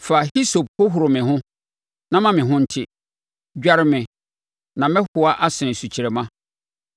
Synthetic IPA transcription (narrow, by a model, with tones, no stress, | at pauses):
fa˨hi˦so˨b̚hʊ˦ɦʊ˨ɾʊ˨mɪ̃˨ɦʊ̃˦ | nã˦mã˦mɪ̃˨ɦʊ̃˦n̩˦tʰɪ˦ | d͡ʑᶣa˦ɾmɪ̃˨ | nã˨mɪ̃˦hʊ˨a˦ʔa˦sɪ̃˨n̩˨su˨t͡ɕʰi˨ɾɛ˨mã˦